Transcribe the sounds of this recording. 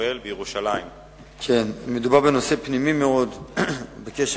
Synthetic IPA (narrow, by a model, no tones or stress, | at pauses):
elbejeʁuʃalaim | kʰenmed̪ubaʁbeno̞se̞pnimimeo̞d̪bekeʃ